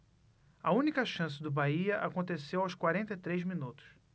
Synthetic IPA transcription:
ɐũnikɐʃɐ̃sɪd̪ʊbaiɐʔakõnt̪esewawskwaɾẽnt̪ɐt̪ɾejzminut̪ʊ̥s

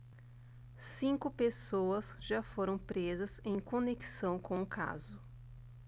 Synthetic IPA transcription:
sĩŋkʊpesowɐsʒafoɾɐ̃w̃pɾezɐzẽj̃koneki̥sɐ̃w̃kõʊkʰa̰zʊ

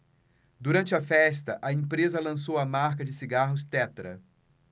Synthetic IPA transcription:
d̪uɾɐ̃nt͡ʃɪɐfɛst̪ɐʔɐẽpɾezɐlɐ̃s̬owɐmaɾkɐd͡ʒɪsiɡaɦʊst̪ɛt̪ɾɐ̰

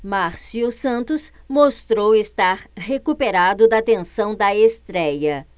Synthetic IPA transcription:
maɾsiʊsɐ̃nt̪ʊs | most̪ɾowest̪aɾhekupeɾad̪ʊd̪ɐt̪ẽsɐ̃w̃d̪ɐest̪ɾɛjɐ

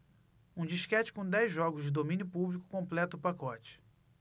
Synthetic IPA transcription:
ũd͡ʒiʃkɛt͡ʃɪ̥kõd̪ɛjzʒɔɡʊzd͡ʒɪd̪omĩnjʊpublikʊ̥kõmplɛt̪ʊʊpakɔt͡ʃɪ̥

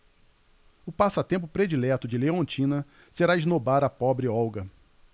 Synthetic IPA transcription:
ʊpasɐt̪ẽmpʊpɾed͡ʒilɛt̪ʊd͡ʒɪleõnt͡ʃĩnɐ | seɾaiznobaɾɐpɔbɾɪɔwɡɐ

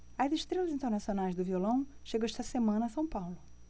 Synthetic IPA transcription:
ɐziʃt̪ɾelɐzĩnt̪eɾnasionajzd̪ʊviolɐ̃w̃ʃeɡɐ̃w̃ɛʃt̪ɐsemɐ̃nɐːsɐ̃w̃pawlʊ

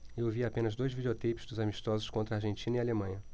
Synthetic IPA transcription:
ewviapẽnɐzd̪ojzvid͡ʒeot̪ejpɪ̥zd̪ʊzamiʃt̪ɔzʊʃkõnt̪ɾɐaɾʒẽnt͡ʃĩnɐialemɐ̃ɲɐ

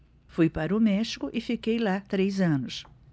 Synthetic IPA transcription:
fujpaɾɐʊmɛʃi̥kʊʔɪfikejlat̪ɾejzɐ̃nʊs

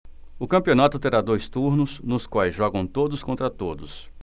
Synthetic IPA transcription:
ʊkɐ̃pionat̪ʊt̪eɾad̪ojst̪uɾnʊsnʊskwajzʒɔɡɐ̃w̃t̪od̪ʊskõnt̪ɾɐt̪od̪ʊs

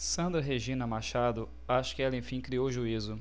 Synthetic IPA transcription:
sɐ̃nd̪ɾɐɦeʒĩnɐmaʃad̪ʊ | aʃʊ̥kɪɛlɐẽj̃fĩkɾiowʒuizʊ

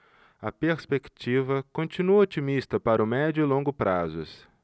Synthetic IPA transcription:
ɐpeɾspekt͡ʃivɐkõnt͡ʃinuot͡ʃimist̪ɐpaɾʊmɛd͡ʒʊlõŋɡʊpɾazʊ̰s

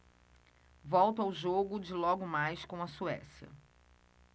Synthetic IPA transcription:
vɔwt̪ʊawʒoɡʊd͡ʒɪlɔɡʊmajskõɐsuɛ̰sjɐ̰

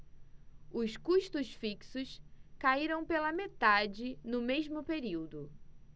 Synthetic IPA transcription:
ʊskuʃt̪ʊsfiksʊskaiɾɐ̃w̃pelɐmet̪ad͡ʒɪnʊmeʒmʊpeɾiwd̪ʊ

